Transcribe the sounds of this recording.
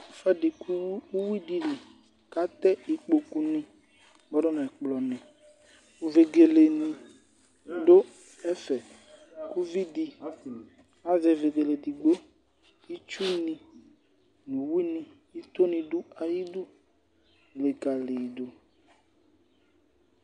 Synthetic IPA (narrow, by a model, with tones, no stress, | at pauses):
fɛ˦ɖi˨ku˦wi˦di˨le˨ | ka˦t̪ɛ˦i˨k͡po˨ku˦nĩ˦ | bɔ˦ɖɔ˦nɛ̃˨k͡plɔ˨nɛ̃˨ | u˨ve˨ɡe˨le˨nĩ˨ | ɖo˦ | ɛ˦fɛ˨ | ku˦vi˦di˨ | a˦vɛ˨ve˨ɡe˨le˨di˨ɡ͡bo˦ | i˦t͡ʃu˦nĩ˨ | nũ˨wi˦nĩ˨ | i˦t̪o˦nĩ˨ɖu˦a˨ji˦du˦ | le˨ka˨le˨do˨